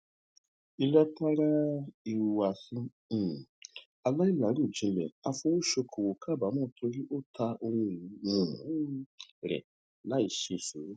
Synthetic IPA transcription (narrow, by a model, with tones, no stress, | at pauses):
i˧lɛ˦ta˦ɾa˦i˧wa˧˨sĩ˧˦˨ | a˧la˦i˦la˨˦ɾũ˦˨d͡ʒĩ˨˦˧lɛ̰˨a˧fõ˧wo˦ʃo˧kʰo˨wo˨kʰa˦˨ba˨˦mãː˦˨˦tʰo˧ɾi˦ʔo˦tʰa˧ʔo˧wũ˧˨˦ũ˨˦ɾɛ̰˨ | la˨˦i˧˨ʃe˧˨ʃu˨˦